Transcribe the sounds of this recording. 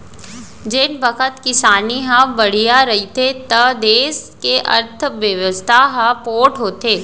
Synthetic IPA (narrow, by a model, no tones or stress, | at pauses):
d͡ʒenbəkʰət̪kɪsaːniɦãbɐɽ̤ijaɾɐɦit̪ʰet̪ɐd̪eːskeʔɐ̰ɾt̪ʰʋjɐʋəst̪ʰaɦãpoːʈɦoːt̪eː